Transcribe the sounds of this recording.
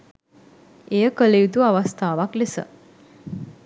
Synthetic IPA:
ejəkəlejut̪uaʋast̪aːʋaklesə̰

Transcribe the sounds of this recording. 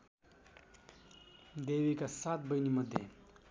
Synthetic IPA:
d̪ewikasaːt̪̚bɐjnimɐd̪ḛ

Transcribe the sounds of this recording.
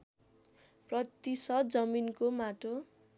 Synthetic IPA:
prʌt̪ːisʌd̪d͡zʌminkomaʈo

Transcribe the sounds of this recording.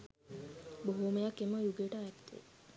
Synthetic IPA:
boɦuːməjakːeməjuɡeːʈaɛt̪ːḛ

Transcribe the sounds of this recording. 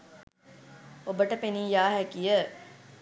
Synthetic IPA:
obəʈəpeniːjaːɦækijə

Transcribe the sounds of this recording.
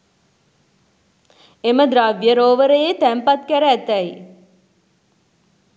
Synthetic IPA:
eməd̪ɾaʋjəɾoːʋəɾəjet̪æmpat̪kæɾəæt̪æj

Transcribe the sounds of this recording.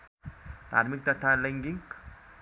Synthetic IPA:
t̪a̰ɾmikt̪at̪alaŋɡiŋk

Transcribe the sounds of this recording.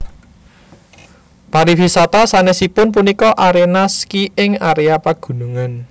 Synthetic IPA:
paɾifisat̪asanesipʊnp̬unikɔʔaɾenaskiɪŋaɾeapaɡ̥ṳnuŋan

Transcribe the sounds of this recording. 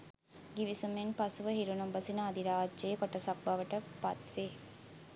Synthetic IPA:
ɡiʋisumeŋpɐsuʋəɦiɾunumbɐsinəːd̪iɾaːd͡ʒʒeːkoʈɐsɐk̚bɐʋəʈəpɐt̪ʋe

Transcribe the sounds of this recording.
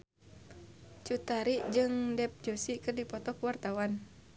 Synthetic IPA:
t͡ʃut̪aɾiʔd͡ʒɨŋdɛp̚d͡ʒosikɨrdipɔt̪ɔkuwart̪awan

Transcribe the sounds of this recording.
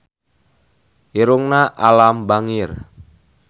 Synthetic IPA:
iɾuŋnaʔalambaŋir

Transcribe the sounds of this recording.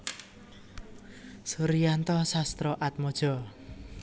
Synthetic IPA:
suɾijant̪ɔsast̪ɾɔʔat̪̚mɔd̥ʒ̥ɔ̤

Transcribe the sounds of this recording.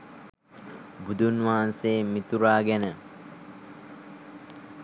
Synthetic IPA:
bud̪ʱunʋaːanseːmit̪uɾaːɡɛnə

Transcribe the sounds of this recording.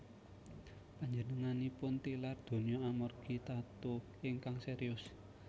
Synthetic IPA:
paɲd͡ʒənəŋanipʊnt̪ilard̪̥o̤nijoamɔrɡ̥it̪at̪u | iŋkaŋseɾiʊs

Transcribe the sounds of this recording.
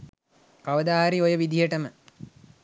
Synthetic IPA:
kaʋəd̪aːɦɾiojəʋid̪ijəʈəmə

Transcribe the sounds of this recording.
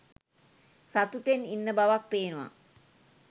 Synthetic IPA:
sat̪uʈeninːəbaʋak̚peːnuʋa̰

